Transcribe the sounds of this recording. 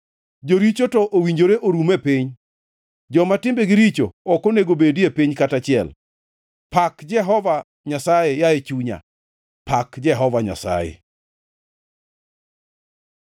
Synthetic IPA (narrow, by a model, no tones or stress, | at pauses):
d͡ʒoɾit͡ʃotɔʔowiɲd͡ʒoɾeʔoɾumepiɲ | d͡ʒɔmatɪmbeɡɪɾit͡ʃoɔkoneɡobediepiɲkatat͡ʃɪɛl | pakd͡ʒɛɦɔva | ɲasajejaet͡ʃuɲa̰ | pakd͡ʒɛɦɔvaɲa̰sa̰jḛ